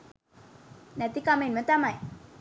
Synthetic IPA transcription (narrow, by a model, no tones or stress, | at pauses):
nɐt̪ikamenmət̪amaj